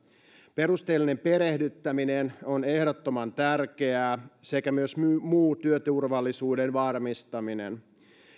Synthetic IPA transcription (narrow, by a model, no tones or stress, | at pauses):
pe̞ɾust̪eːlːine̞mpe̞ɾehdyt̪ːæmineno̞ne̞hdot̪ːo̞mɑnt̪ærke̞æːse̞kæmyøsmmuːt̪yøt̪urʋɑlːisuːdenʋɑrmist̪ɑminḛn